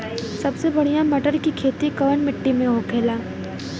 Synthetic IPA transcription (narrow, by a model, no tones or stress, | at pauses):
sɐbsebɐɽ̤ijãmɐʈəɾkikʰeːt̪ikɐʋənmɪʈːimẽɦokʰeːlaː